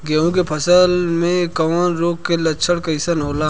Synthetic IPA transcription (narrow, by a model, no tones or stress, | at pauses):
ɡeːũkepʰɐsəlmẽkɐʋɔːnɾoːkkːelɐʃʰəɽkɐɪsənɦoːlaː